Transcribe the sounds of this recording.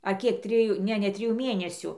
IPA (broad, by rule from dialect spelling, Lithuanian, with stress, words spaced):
ɐ ˈkʲiɛk ˈtʲrʲɪjuː ˈnʲɛ nʲɛ ˈtʲrʲɪjuː ˈmʲeːnʲɛsʲʊ